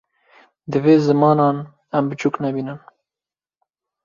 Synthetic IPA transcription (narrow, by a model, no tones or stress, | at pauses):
d̪ɨveːzɨmɑːnɑːn | ɛmbɨt͡ʃʰuknɛbiːnɨn